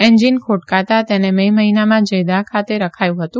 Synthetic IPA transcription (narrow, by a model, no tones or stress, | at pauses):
eɲd͡ʒinkʰoʈkat̪at̪enememəɦinamãd͡ʒəjd̪akʰat̪eɾəkʰajũɦət̪ũ